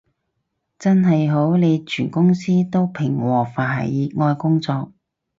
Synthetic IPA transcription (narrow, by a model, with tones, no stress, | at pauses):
t͡sɐ˥nɦɐ˨jɦo˨˥wne˨˧jt͡ʃʰyː˨˩nkʊ˥ŋsiː˥t̪o˥wpʰɪ˨˩ŋwɔː˨˩faː˨˩ɦɐ̰˨˩jiː˨˥ŋɔː˧jkʊ˥ŋt͡sɔː˧k̚